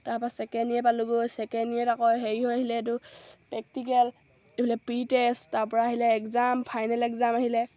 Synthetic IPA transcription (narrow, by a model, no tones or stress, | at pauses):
taɹpasɛkɛniɛp̬aluɡojsɛkɛniɛtakɔjɦeɹiɦɔjaɦilɛt̬ʊpɛk̚tik̬ɛl | ebilɛpɹitesttaɹpɔɹaːɦilɛːkzampʰajnɛlɛkzamaɦilɛ